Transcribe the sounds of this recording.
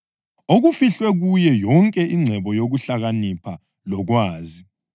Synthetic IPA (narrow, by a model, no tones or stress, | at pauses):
oɣufiɬwɛɣujɛjɔŋkʼɛʔiŋ͡ǀʱɛβɔjoɣuɬaɣanipʰa | lɔɣwaːzi